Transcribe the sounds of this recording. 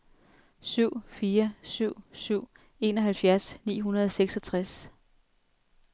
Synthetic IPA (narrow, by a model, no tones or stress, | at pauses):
syʊ̰fiːɐsyʊ̰syʊ̰ | e̝ːnɒ̽ɦælfjæɐsnḭːɦunɐð̞ˠɒ̽seɡ̥sɒ̽t͡sʰʁas